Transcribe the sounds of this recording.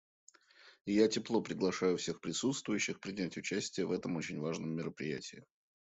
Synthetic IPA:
jatʲɪplˠo̞pɾʲɪɡlˠɐʂajʊfsʲe̞xpɾʲɪsut̪st̪vʊjʉɕːɪxpɾʲɪnʲætʲʊt͡ɕæsʲtʲɪjəvɛt̪əmo̞t͡ɕɪnʲvaʐnəmːʲɪɾəpɾʲɪ̰jæ̰tʲɪɪ

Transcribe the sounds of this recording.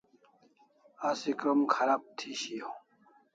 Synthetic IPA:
asikɐmkʰɐɾaːb̚t̪ʰiɕiõ

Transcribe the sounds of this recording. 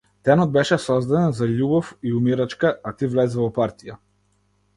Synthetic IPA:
t̪ɛnɔd̪̚bɛʃɛsɔzd̪ad̪ɛnzaʎʲubɔfiumiɾat͡ʃkaːt̪ivlɛzɛvɔpaɾt̪ija

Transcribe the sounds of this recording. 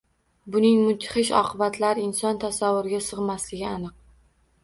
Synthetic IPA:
bʊnɪŋmʊt̪ʰχɪʃɒ̰qʰɨbat̪ʰlaɾɪɪnsɒnt̪ʰasavːʊɾɪɡʲasɨʁmaslɪɡʲɪanɨq̚

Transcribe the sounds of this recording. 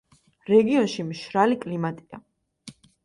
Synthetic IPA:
ɾɛɡiɔnʃimʃɾalikʼlimat̪ʼia̰

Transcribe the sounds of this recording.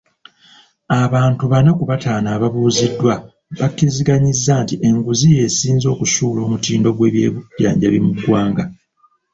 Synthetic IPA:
aβaːntuβanakuβataːnaːβaβuːzidːwa | βakiziɡaɲizːantiʔe̞ŋɡuzije̞ːsiːnzo̞ːkusuːlo̞ːmutiːndo̞ɡwe̞ːβjḛːβuɟa̰ːɲɟaβimuɡwaːŋɡa

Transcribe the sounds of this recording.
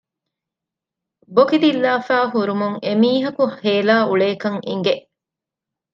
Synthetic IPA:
bokid̪ilːaːfæːɦuɾumuŋemiːɦɐkuheːlaːʔuɭeːkɐŋḭŋɡeʔ

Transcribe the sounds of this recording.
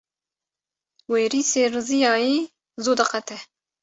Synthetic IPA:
weːɾiseɾɨzijɑːi | zod̪ɐqat̪ʰɛ

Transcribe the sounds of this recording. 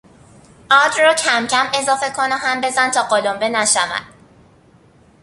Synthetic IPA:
ʔɒːd̪rɒːcʰæmcʰæme̞zɒːfe̞kʰo̞nɒɦæmbe̞zænt̪ʰɒːɢolombenæʃævæ̰d̪̥

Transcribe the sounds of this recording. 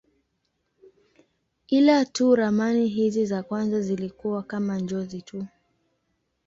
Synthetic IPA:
kilatuɾamaniɦizizakwanzazilikuwakamand͡ʒɔzitʰu

